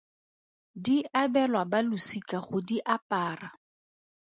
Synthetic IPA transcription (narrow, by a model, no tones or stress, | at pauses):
diabɛlwabalʊsikaχʊdiʔapaːra